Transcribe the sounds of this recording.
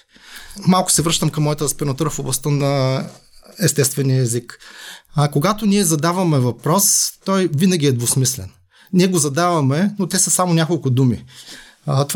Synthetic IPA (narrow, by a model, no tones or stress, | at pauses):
malˠkʊ̥sɛvɾɤʃt̪əmkɐmːɔjət̪əspɛnɐt̪uɾəfoblˠɐst̪ənɐ | ɛst̪ɛst̪vɛniəɛzik | koɡat̪ʊniɛzɐd̪avɐmɛvɐpɾɔst̪ɔjvinɐɡ̟ʲiɛd̪vosmislɛ̰n | nʲiɛɡozɐd̪avɐmɛnot̪ɛsəsamonʲakolˠkʊd̪umi | t̪o